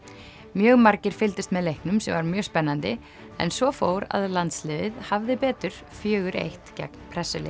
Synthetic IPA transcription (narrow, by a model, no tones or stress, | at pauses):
mjœːɣmaɾcɪɾ̥fɪlt̪ɪst̪mɛðlejhknʏmsɛmvaɾmjœːɣspɛnːant̪ɪ | ɛ̰nsvɔfoːwɾa̰ðlant̪slɪːvɪðhavðɪpɛːt̪ʏɾ̥ | fjœːɣʏɾḛjht̪cɛ̰k̚n̥pʰɾɛsːʏlɪ̰